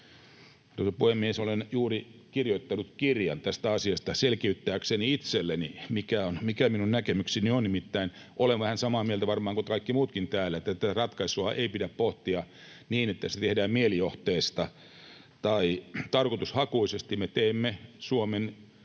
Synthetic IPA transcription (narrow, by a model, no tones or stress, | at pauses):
tosɑpuhemːiesolenjuːrikirjoit̪ːɑnut̪kirjɑ̰nt̪æst̪æɑsiɑst̪ɑselkiyt̪ːæːkseniit̪selːenimikæonmikæminunnækemyksinionnimit̪ːæin | ʔoleʋʋæhænsɑmɑːmiælt̪æʋɑrmɑːŋkokɑikːimuːt̪kint̪æːlæet̪ːæt̪ːærɑt̪kɑisuɑʔeipidæppoht̪iɑ | niːnet̪ːæse̥t̪ehdæːmmielioht̪eːst̪ɑ | t̪ɑit̪ɑrkot̪ushɑkuisest̪imet̪eːmːesuomen